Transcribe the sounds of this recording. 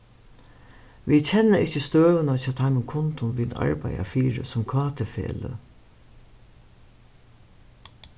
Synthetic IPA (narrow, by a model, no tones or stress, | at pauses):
ʋit͡ɕʰɛnːəʔɪt͡ɕəst̪øːʋənat͡ɕʰaːt̪ʰaɪmənkʰʊnt̪ʊnʋina̰ɹpa̰ja̰fiːɹə̰sʊmkʰvaːt̪ʰəfḛːlə̰